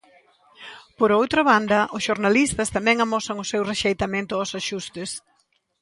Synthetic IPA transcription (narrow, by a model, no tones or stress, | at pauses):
poɾowt̪ɾɐβand̪ɐʔʊsʃoɾnalist̪ɐst̪amɛ̃ŋamɔsɐŋʊsewreʃejt̪amẽnt̪ʊɔsaʃust̪ɪs